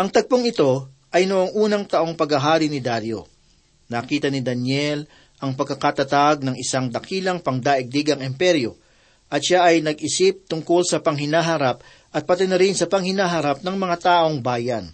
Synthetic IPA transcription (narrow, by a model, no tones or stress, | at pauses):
ʔɐŋt̪ɐɡ̚poŋɪt̪o̞ | ʔɐjnoʔoŋʔuːnɐŋt̪ɐʔo̞ŋpɐɡɐɦaːɾinɪd̪aɾjo̞̰ | nɐkiːt̪ɐnɪd̪ɐnjɛl | ʔɐŋpɐɡ̚ɐkat̪ɐt̪aɡ̚nɐŋɪsaŋd̪ɐkiːlɐŋpɐŋd̪aːʔɪɡ̚d̪iːɡɐŋɪmpɛɾjo̞ | ʔɐt̪ʃaʔɐjnɐɡʔɪsip̚t̪ʊŋko̞lsɐpɐŋɦɪnaːɦɐɾap̚ | ʔɐt̪̚pɐt̪ɛnɐɾɪnsɐpɐŋhɪnaːɦɐɾap̚nɐŋmɐŋat̪aːʔo̞ŋbaːjɐn